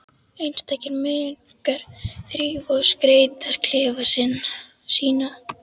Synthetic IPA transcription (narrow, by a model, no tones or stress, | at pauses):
ejnst̪ʰɛhcɪɾmɪ | kaɾ̥θɾiːvɔðskɾeːjt̪askl̥ɪːvasɪn | siːna